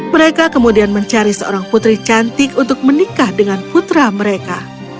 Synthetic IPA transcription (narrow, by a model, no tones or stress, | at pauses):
məɾekakəmudianməɲt͡ʃaɾisəo̰ɾaŋput̪ɾit͡ʃant̪ɪkunt̪ʊk̚mənikahdəŋanput̪ɾaməɾeka